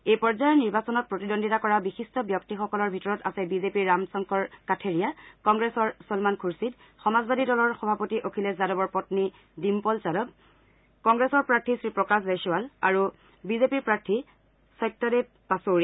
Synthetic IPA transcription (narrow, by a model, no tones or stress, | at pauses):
ejpɔɹzajɔɹniɹbasɔnɔt̚pɹotidondʱitakɔɹabixistɔbjɔk̚tixɔkɔlɔɹbʱitɔɹɔtasɛbizepiɹːamsɔŋkɔɹkatʰeɹijakɔŋɡɹesɔɹsɔlmankʰuɹsid | xɔmazbadidɔlɔɹxɔbʱapotiʔokʰilɛzadɔbɔɹpɔtni | dimpɔlt͡ʃadɔb̚ | kɔŋɡɹesɔɹpɹaɹtʰisɹipɹɔkas̬besuwalaɹu | bizepiɹpɹaɹtʰi | sɔjtːɔdɛ | pasoɹi